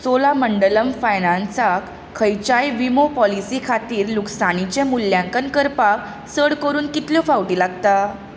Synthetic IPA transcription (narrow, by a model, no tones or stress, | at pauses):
solaməɳɖələmfajnãnsak | kʰːəjt͡ɕajʋimopɔlisikʰat̪iːɾluksanit͡ɕemuljãŋkənkəɾpak | səɽkəɾuːnkit̪ljɔfawʈiːlaɡt̪a